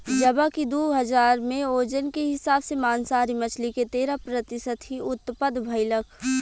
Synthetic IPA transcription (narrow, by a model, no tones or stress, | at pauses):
d͡ʒɐbakid̪oːɦɐzaːɾmẽoːd͡ʒənkeɦɪsaːbsemaːnsaːɾimɐt͡ʃʰliket̪eːɾapɾət̪ɪsət̪ɦiʊt̪ːpəd̪bʱɐɪləkʰ